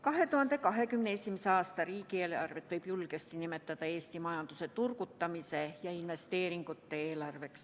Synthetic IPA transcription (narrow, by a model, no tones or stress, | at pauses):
kɑɦe̞t̪uhɑnd̪̥ekɑɦe̞kymneesimæseɑːst̪ɑriːkielɑ̰rvet̪ʋɤjb̥julɡest̪inimet̪ːɑt̪ɑeːst̪imɑjɑnd̪̥uset̪urkut̪ːɑmisejɑinʋe̞st̪eːɾiŋɡut̪ːeeːlɑrʋe̞ks